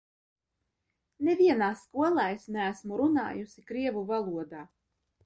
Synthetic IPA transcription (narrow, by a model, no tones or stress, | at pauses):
nevʲiɛnaːsːkuɔlˠajsnææsmuɾuna̰ːjusikɾiɛvuvalˠuɔd̪aː